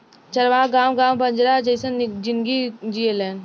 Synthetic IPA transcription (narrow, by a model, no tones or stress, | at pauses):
t͡ʃɐɾʋãɡaːmɡaːmbə̃nd͡ʒɾad͡ʒəɪsənd͡ʒɪnɡid͡ʒielɛːn